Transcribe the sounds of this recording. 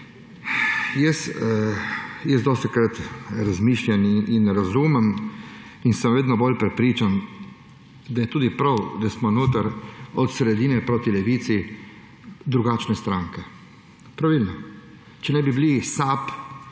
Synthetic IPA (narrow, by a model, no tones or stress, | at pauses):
jɛs | jɛsd̪ɔst̪akɾat̪ɾazmiːʃlʲjɛninɾazuːmɛm | insə̃mʋeːd̪nɔbolʲpɾɛpɾiːt͡ʃan | d̪ajɛt̪uːd̪ipɾawd̪asmɔnoːt̪aɾɔt̪sɾɛd̪iːnɛpɾot̪ilɛʋiːt̪si | d̪ɾuɡaːt͡ʃnɛst̪ɾaːŋkɛ | pɾaʋiːlnɔ | t͡ʃɛnɛbiblisaːp